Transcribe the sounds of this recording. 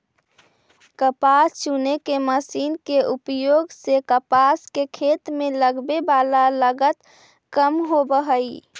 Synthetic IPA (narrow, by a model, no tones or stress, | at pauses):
kəpast͡ʃunekeməsiːnkeʔupjoːɡsekəpaskekʰeːt̪mẽləɡbebaːlaləɡət̪ | kəmɦobəɦəi